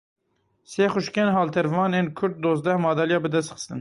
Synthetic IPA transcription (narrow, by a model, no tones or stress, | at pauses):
seːxʊʃkɛnɦɑːlt̪ʰɛɾvɑːneːnkʰʊɾt̪̚d̪oːzd̪ɛhmɑːd̪ɛljɑːbɨd̪ɛst̪χɨ̥st̪ɨn